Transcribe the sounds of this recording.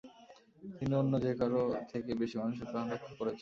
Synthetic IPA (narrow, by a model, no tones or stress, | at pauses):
t̪inonːod͡ʑekaɾot̪ʰekebeʃimanuʃ̬eɾpɾanɾokʰːokoɾet͡ɕʰen